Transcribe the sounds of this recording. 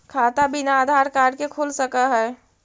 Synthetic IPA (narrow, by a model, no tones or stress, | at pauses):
kʰaːt̪abinaːd̪ʱaːɾkaːɖkekʰulsəkəɦɛː